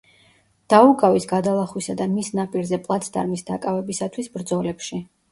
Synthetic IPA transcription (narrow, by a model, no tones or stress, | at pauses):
d̪̥aukʼavisɡad̪alˠaχwisad̪amisnapʼiɾzɛpʼlˠat̪sʰd̪a̰ɾmisd̪akʼavɛbisat̪ʰwisbɾd̪zɔlɛpʃi